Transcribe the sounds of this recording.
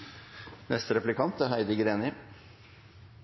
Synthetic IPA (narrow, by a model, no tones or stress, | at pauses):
nɛst̪ɾɛplɪkʰɑnt̪æɦæɪd̪ɪɡɾeːnɪ